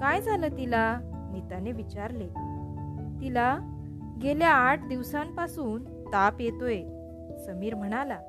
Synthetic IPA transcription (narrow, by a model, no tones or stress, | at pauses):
kajd͡zʱaləːt̪ila | mit̪aneʋit͡ɕaɾle | t̪ila | ɡeljaːʈʰd̪iʋsãmpasuːn | t̪apjet̪oje | səmiːɾm̤əɽ̃ala